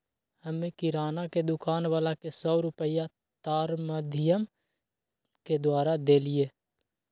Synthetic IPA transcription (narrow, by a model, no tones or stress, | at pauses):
həmẽkɪɾaːnaked̪ʊkaːnʋaːlakesɔːɾʊpəja | t̪aːɾməd̪ʱɪjəm | ked̪waːɾad̪eːlɪjeː